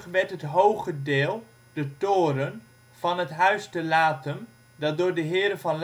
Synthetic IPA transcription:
χʋɛɹtɦətɦowχədɪːlˠ | d̥ətʊːɾən | v̥ɑnɦətɦœɥstəlaːtən | dɑt̚dʊːɹdəɦɪːɾəvɑnl

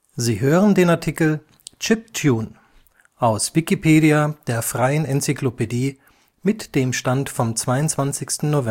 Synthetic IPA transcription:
ziːɦøːʁəndeːnaɐtʰikl̩ | t͡ʃɪp̚tʰjuːn | ʔaʊsv̥ɪkipʰeːɾiad̥eːɐfʁ̥aɪənɛnt͡siklopediː | mɪtd̥eːmʃtantfɔmt͡sv̥aɪʊntt͡sv̥ant͡sɪçstn̩novɛ

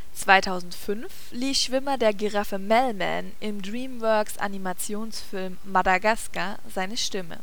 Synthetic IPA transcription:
t͡sv̥aɪtʰaʊzn̩tfʏnf | liːsʃv̥ɪmɐdeːɐɡeʁafəmɛlmɛ̰nʔɪmdʁiːmvœɐksʔa̰nimat͡sjoːnsfɪlmːadaɡaska | zaɪnəʃtɪmə̰

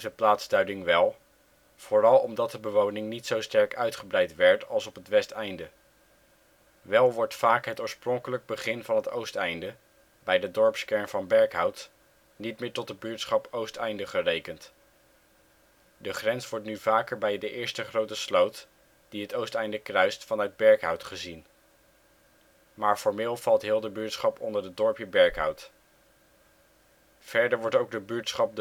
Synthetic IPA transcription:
zəplaːtzdœɥdɪŋʋɛlˠ | v̥oːrɑlˠɔmdɑt̚dəbəʋownɪŋnitsowstɛɹkœɥtχəbrɛjtʋɛɹtɑlˠsɔpətʋɛstɛjndə | ʋɛlˠʋɔɹtfaːkɦətoːɹsprɔŋkələk̚bəχɪnvɑnɦəto̰wstɛjndə | bɛjdədɔɹpskɛɹnvɑnbɛɹkɦɑwt | nitmɪːɹtɔtəbyɹtsχɑpowstɛjndəχərejkənt | dəχrɛnsʋɔɹtnyvaːkəɹbɛjdəʔɪːɹstəχrowtəslowt | d̥iɦətowstɛjndəkrœɥstfɑnœɥd̚bɛɹkɦʌwtχəzin | maːɹfɔɹmɪːlˠv̥ɑlˠtɦɪːlˠdəbyɹtsχɑpʰɔndəɹdədɔɹpjəbɛɹkɦʌ̰wt | v̥ɛɹdəɹʋɔɹtowɡ̚dəbyɹtsχɑp̚d

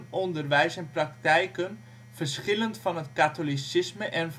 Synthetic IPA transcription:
nɔndərʋɛjsɛnprɑktɛjkən | v̥ərsχɪləntfɑnətkatolisɪsməʔɛnf

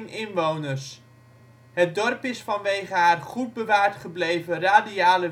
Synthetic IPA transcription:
nɪnʋownərs | ɦət̚dɔrpɪsfɑnʋejχəɦaːrχud̚bəʋaːɹtχəblejvəraːdiaːlə

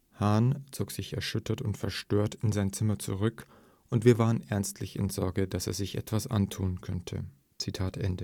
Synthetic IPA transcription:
haːnt͡soːkz̥ɪçɛɐʃʏtʰɐtʊntfɛɐʃtøːɐtɪnzaɪnt͡sɪmɐt͡suʁ̞ʏk | ʔʊntv̥iːɐvaːʁənʔɛɐnstʰlɪçɪ̰nzɔɐɡədasḛːɐzɪçʔɛ̰tv̥asʔa̰ntʰuːnkʰœntʰə̰ | t͡sitʰaːtʔɛndə

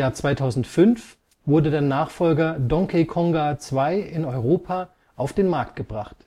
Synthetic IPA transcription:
jaːɐt͡sv̥aɪtʰaʊzn̩tfʏnf | v̥ʊɐdədeːɐnaːχfɔlɡɐdɔŋkʰekʰɔŋɡaːt͡sv̥aɪɪnɔʏʁoːpʰa | ʔaʊfd̥eːnmaɐk̚t̚ɡ̥əbʁaχt

